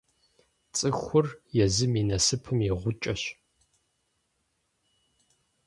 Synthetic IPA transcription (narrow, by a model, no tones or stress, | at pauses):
t͡sʼɨxʷʊrjɛzɨminɐsɨpʰɨmjɛʁʷʊt͡ʃʼɐɕ